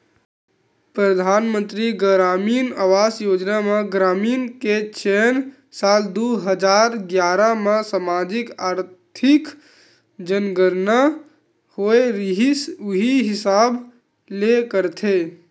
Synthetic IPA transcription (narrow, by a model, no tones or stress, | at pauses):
pɾəd̪ʱaːnmə̃nt̪ɾiɡɾaːmiːnaːʋaːsjoːd͡ʒnamẽɡɾaːmiːnket͡ʃen | saːld̪uɦəd͡ʒaːɾɡjaːɾamãsamaːd͡ʒɪkaːɾt̪ʰɪk | d͡ʒənɡəɾna | hoeɾɦisʊɦiɦɪsaːb | lekəɾt̪ʰe